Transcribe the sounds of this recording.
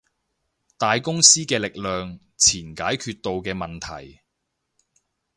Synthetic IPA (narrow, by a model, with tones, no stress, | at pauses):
t̪aː˨jkʊ˥ŋsiː˥kɛː˧lɪ˨k̚lœː˨ŋ | t͡sʰiː˨˩nkaː˨˥jkʰyː˧t̚t̪o˨˧wkɛː˧mɐ˨nt̪ʰɐ̰˨˩j